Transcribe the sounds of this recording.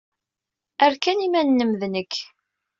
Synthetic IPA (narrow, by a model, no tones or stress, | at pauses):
æɾkænimænːəmðnəkː